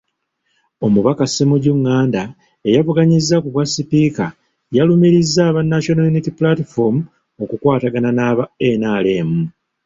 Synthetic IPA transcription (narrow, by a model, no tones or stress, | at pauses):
o̞muβakasemuɟuŋːaːnda | e̞jaβuɡaɲizːakuβwasːipika | jalumiɾizːaːβanːaʃonajunitipulatifoɾmu | o̞kukwaːtaɡananaːβaenaːle̞ːmu